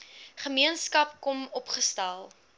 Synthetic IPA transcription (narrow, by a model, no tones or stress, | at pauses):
χəmiənskɐpkɔmɔpχəstælˠ